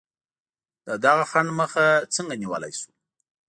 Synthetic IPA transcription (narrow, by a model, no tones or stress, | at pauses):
d̪̥əd̪aɣaxaɳɖməxat͡səŋɡaniwə̰la̰jsu̥